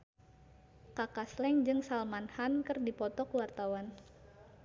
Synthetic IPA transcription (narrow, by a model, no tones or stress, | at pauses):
kakaslɛŋd͡ʒɨŋsalmanhankɨrdipɔt̪ɔkwart̪awan